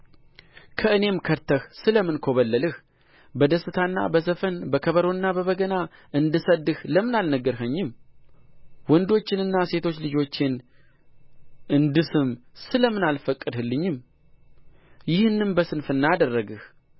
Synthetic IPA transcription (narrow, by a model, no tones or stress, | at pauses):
kʰəɨne̞mkʰəɾt̪ʰːəhsɨləmɨnkʰo̞βəlːəlɨh | bəd̪əsɨt̪ʰanːa̰bəsəfənbəkʰəβəɾo̞nːabəβəɡəna | ʔɨnd̪ɨsəd̪ɨhləmɨnalnəɡəɾɦəɲːɪm | wɔnd̪o̞t͡ʃːɪnɨnːase̞t̪ʰo̞t͡ʃːlɨd͡ʒo̞t͡ʃːɪn | ʔɨnd̪ɨsɨmsɨləmɨnalfəkʼːɨd̪hɨlːɨɲːɪm | jɪhnːɨmbəsɨnfɨnːaad̪ərːəɡɨh